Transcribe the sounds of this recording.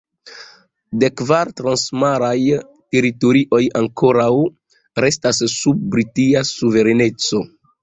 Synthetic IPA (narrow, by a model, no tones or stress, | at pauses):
de̞kvaɾtɾansmaɾaj | te̞ɾito̞ɾiʔo̞jaŋkʰo̞ɾaw | ɾe̞stasːub̚ːɾitiasuve̞ɾene̞t͡so̞